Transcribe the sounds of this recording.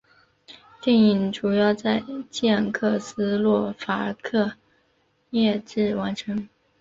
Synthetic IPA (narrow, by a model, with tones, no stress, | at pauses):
t̪i˥˩ŋi˧˩ŋʈ͡ʂu˨˩jɑ˥˧ʊt͡sa˥˧ɪt͡ɕjɛ˥˩nkʰɤ˥˩sɹ̩˥lwɔ˥˩fa˧˥ə̰˧˥kʰɤ˥˧ | jɛ˥˧ʈ͡ʂɻ̩˥˩wa˧˥nʈ͡ʂʰɤ˧˥ŋ